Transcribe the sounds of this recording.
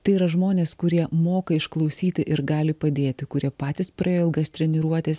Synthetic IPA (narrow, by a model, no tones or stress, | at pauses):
t̪ɐɪiːɾɐʒmoːnʲeːskʊɾʲiɛmoːkɐɪʃklˠɐʊsʲiːt̪ʲɪʔɪɾɡɑːlʲɪpɐd̪ʲeːt̪ʲɪkʊɾʲiɛpɑːt̪ʲɪspɾɐeːjoːɪlˠɡɐst̪ʲɾʲɛnʲɪɾuɔt̪ʲeːs